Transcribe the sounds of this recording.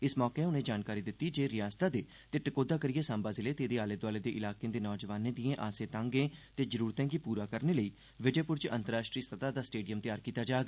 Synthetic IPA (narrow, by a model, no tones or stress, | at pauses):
ɪsmɔːkeːʊnẽːd͡ʒaːnkaːɾiːd̪ɪt̪ːiːd͡ʒeːɾɪjaːst̪aːd̪eː | t̪eːʈəkoːd̪aːkəɾɪjeːsãːmbaːzɪleːt̪eːd̪eːaːleːd̪waːleːd̪eːʔɪlaːkeãːd̪eːnɔːd͡ʒəʋaːnẽːd̪ijẽːʔaːsẽːt̪ãːŋɡẽːt̪eːzəɾuːɾt̪ɛ̃ːkipuːɾaːkəɾneːləiː | ʋɪd͡ʒeːpʊɾt͡ʃə̃nt̪əɾaːʃʈɾiːst̪ʰət̪aːd̪aːsʈeːɖijəmt̪ɪjaːɾkiːt̪aːd͡ʒaːɡa